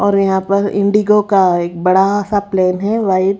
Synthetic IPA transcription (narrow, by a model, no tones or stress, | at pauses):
ɔːɾjɐɦãpɐɾɪ̰̃ɳɖiɡokaeːk̚bɐɽasapleːnɦɛʋaːɪd̪